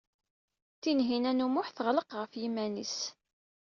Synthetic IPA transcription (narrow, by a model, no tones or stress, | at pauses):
θinɦinænumʊħθəʁləqʁəfjimːænis